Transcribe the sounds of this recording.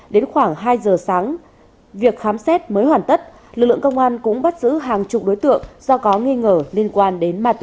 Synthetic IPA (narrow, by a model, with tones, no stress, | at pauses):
ɗe˨˦nxwaː˧˩ŋɦaː˧jzəː˨˩saː˨˦ŋ | vi˨˩ək̚xaː˨˦msɛ˦˥t̚məː˨˦jɦwaː˧˩nt̪ə˦˥t̚ | lɨ˨˩k̚lɨ̰˧˨ə˨kə˧wŋ͡mʔaː˧nkʊ̰˧˥ŋ͡mɓa˦˥t̚zɨ̰˧˥ɦaː˨˩ŋt͡ɕʊ˨˩k͡p̚ɗo˨˦jt̪ɨ̰˧˨əŋz̥ɔ˧kɔ˨˦ŋi˧ŋəː˧˩li˧ənkwaː˧nɗe˨˦nmaː˨˧˩t̪